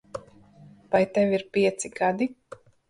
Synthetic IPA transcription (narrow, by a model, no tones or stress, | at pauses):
vajt̪ɛviɾpʲiɛt̪siɡad̪i